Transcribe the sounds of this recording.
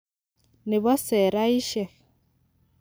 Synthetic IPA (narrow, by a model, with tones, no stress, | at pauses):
ni˨βɔ˦se˨ɾa˦i˦ʃɛ˨